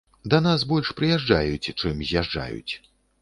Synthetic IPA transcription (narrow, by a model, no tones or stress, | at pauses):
d̪ɐnasbɔlʲʂpɾɨjaʐd͡ʐajut͡sʲt͡ʂɨmzʲjaʐd͡ʐa̰jṵt͡sʲ